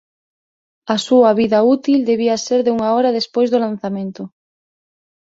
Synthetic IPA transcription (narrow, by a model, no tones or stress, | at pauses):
ɐsuɐβiðɐut̪ild̪eβ̞iaseɾðeuŋaɔɾaðespojzðolan̟θamẽnt̪ʊ